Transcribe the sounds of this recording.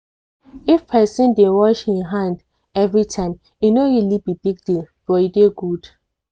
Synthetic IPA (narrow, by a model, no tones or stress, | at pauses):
ifpʰɛsɔ̃ndẽwɔʃhĩnɦãnd | ɛvɹitʰãɪ̃m | jinoilipibiɡ̚dil | b̥ɔjideɡud̥